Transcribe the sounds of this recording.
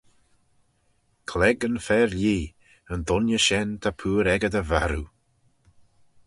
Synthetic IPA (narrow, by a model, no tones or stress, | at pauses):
kʰlɛɡənfɛːɹliː | ənd̪ʊnjəʃɛnt̪ʰapʰuːɾɛɡəd̪əvaɾu